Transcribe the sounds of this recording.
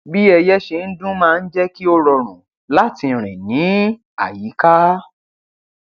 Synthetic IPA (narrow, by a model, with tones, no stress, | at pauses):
bi˦ɛ˧jɛ˦ʃe˧n̩˦dũ˦mãː˦˧n̩˦d͡ʒɛ˦ki˦o˧ɾɔ˧ɾ̃ṵ̃˨ | la˦tĩ˧˨ɾ̃ḭ̃˨nĩ˨˦ | a̰˨ji˨˦ka˦